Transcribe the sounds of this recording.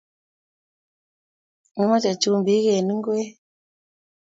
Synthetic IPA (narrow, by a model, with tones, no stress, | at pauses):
ni˦ma˦t͡ʃa˨t͡ʃu˦mbi˨˦kɛ˨ni˦ŋ˦ɡu˦ɛ˦